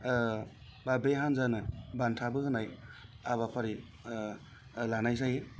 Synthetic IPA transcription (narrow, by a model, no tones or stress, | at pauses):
babeɦanzanɯbantʰabɯɦɯnajaβapʰaɾi | lanajzaje